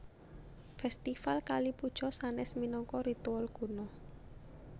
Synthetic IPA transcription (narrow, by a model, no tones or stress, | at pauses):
fɛst̪ifalkalipud̥ʒ̥ɔ̤sanɛsminɔŋkɔɾit̪ualɡ̥ṳnɔ